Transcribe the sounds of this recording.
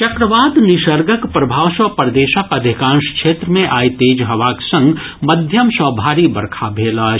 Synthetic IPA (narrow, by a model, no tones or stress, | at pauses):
t͡ʃɐkɾəʋaːd̪nɪʃəɾɡəkpɾɐbʱaːʋsɐpəɾd̪eːʃəkɐd̪ʱɪkãːnʃkʃeːt̪ɾəmẽʔaːit̪eːd͡ʒɦɐʋaːksɐ̃ŋɡ | mɐd̪ʱjəmsɔbʱaːɾibɐɾkʰabʱeːlaː